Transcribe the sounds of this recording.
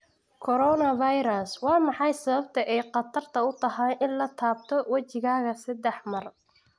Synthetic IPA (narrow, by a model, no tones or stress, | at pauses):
kʰɔɾɔnɐvajɾɐswɑːmɑħɑjsɐβɐb̚t̪ʰɐʔɛjqɑt̪ʰɐrt̪ʰɐʊt̪ʰɐɦaːnʔɪnlɐt̪ʰaːb̚t̪ʰɔwɐt͡ʃɪɣaːɣɐsɐd̪ɛħmɐr